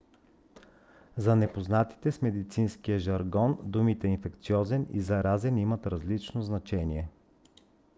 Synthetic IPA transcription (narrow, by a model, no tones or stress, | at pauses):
zɐnɛpoznat̪i̥t̪ɛsmɛd̪it̪sinskijəʒɐɾɡɔnd̪umit̪ɛinfɛkt̪siɔzɛnḭzɐɾazɛnimɐt̪ɾɐzlit͡ʃnoznɐt͡ʃɛniɛ